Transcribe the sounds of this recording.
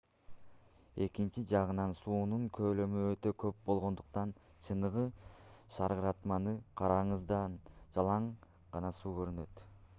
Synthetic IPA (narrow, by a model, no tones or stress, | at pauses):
e̞kint͡ʃid͡ʒɑʁɯnɑnsuːnuŋkʰø̞ːlø̞myøt̪ø̞kø̞p̚bo̞lˠʁo̞nd̪uqt̪ɑn | t͡ʃʰɯnɯʁɯʃɑɾʁɯɾɑt̪mɑnɯqʰɑɾɑɴɯzd̪ɑnd͡ʒɑlˠɑɴ | ʁɑnɑsuːkø̞ɾynø̞t̪